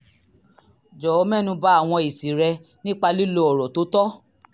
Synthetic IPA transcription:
d͡ʒɔ˨ɔ˨˦mɛ˦˨nũ˧ba˦a˦˨w̃ɔ̃˧i˨si˨ɾɛ˧ | nĩ˦k͡pa˧li˦lo˧˦ɔ˨ɾɔ˨to˨˦tɔ˦

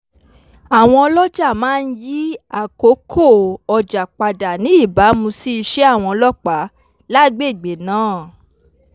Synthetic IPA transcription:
a˨w̃ɔ̃˧lɔ˦d͡ʒa˦˨mãː˦˧n̩˦ji˦a˦˨ko˨˦kʰo˦˨ɔ˧˨d͡ʒa˨k͡pa˧da˨nĩ˨˦i˦˨ba˨˦mũ˧si˦i˧ʃe˦a˦˨w̃ɔ̃˧lɔ˦k͡pa˨˦ | la˦ɡ͡be˦˨ɡ͡be˨nãː˨˦˨

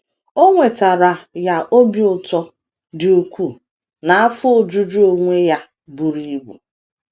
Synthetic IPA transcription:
o˦ŋʷe˨ta˨ɾa˨ja˨ʔo˦bi˨ʊ˨tɔ˦ | dɪ˨u˨kʷu˦˨ | na˨a˦fʊ˦o˦˨d͡ʒu˦d͡ʒu˦o˦ŋʷe˦ja˦ | bu˨ɾi˦bṵ˨

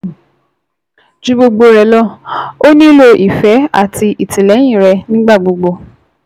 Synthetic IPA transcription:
d͡ʒu˨˦ɡ͡bo˧ɡ͡bo˧ɾɛ˧˦lɔ˦˨o˦nĩ˦lo˧ʔi˨fɛ˨˦a̰˦˨tʰi˧ʔi˨tĩ˨lɛ˨˦jĩ˦˨ɾɛ˧nĩ˦ɡ͡ba˦˨ɡ͡bo˧ɡ͡bo˧

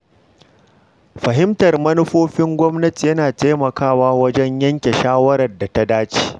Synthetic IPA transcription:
ɸɐ˨ɦɪ˦mtɐ˨rmɐ˦nʊ˦ɸoː˦ɸɪ˦ŋɡʷɔ˦mnɐ˦ti˨jɐ˦naː˨teː˦mɐ˨kaː˦waː˦wɐ˦d͡ʒɛ˦ɲjɐ˦ŋkʲe˨ʃaː˦wɐ˦ɾɐ˨rda˨ta˦daː˦t͡ʃi̥ː˦˨

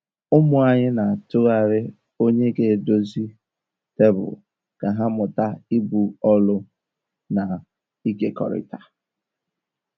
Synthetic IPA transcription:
ʊ˦mʊ˨a˨ɲɪ˦na˨tʊ˦ɣa˨ɾɪ˦ | o˦ɲe˦ɡe˨do˦zi˦ | te˦bʊ̰˨ | ka˨ɦa˦mʊ˨ta˦i˦bu˨ɔ˦lʊ˦ | na˨ | i˦ke˨kɔ̰˨ɾɪ̰˦ta˨

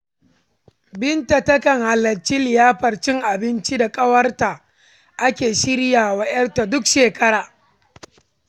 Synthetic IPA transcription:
bɪ˦nta˨tɐ˦kɐ˨ŋha˨lːɐ˨t͡ʃi˦lɪ˨jaː˦ɸɐ˨rt͡ʃɪ˦ŋʔa˨bɪ˦nt͡ʃi˦da˨kʼɐ˦wɐ˦rta˨ | ʔa˦kʲeː˨ʃɪ˦ɾjaː˨wɐ˦ʔɐ˦nta˨dʊ˦kʃeː˨kɐ˦ɽaː˨

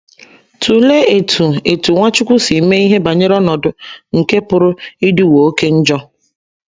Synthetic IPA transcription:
tʰu˨le˦e˨tʰu˨e˨tu˨ŋʷa˦t͡ʃʊ˦kʷʊ˦si˨˦me˦i˦ɦe˦ba˨ɲe˦ɾɔ˦nɔ˨dʊ˨ŋ̩˨ke˦pʊ˨ɾʊ˦i˦dɪ˦wo˨o˦ke˦n̩˦d͡ʒɔ˦

